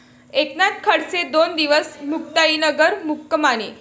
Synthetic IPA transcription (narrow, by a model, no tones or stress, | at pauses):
eknat̪̚kʰəɽt͡sed̪ond̪iʋəsmukt̪ainəɡəɾmukːəmane